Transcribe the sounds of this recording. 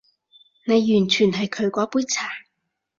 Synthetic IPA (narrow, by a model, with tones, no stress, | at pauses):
ne˨˧jːyː˨˩nt͡ʃʰyː˨˩nɦɐ˨jkʰɵ˨˧ɥkʷɔː˨˥puː˧˥jt͡sʰaː˨˩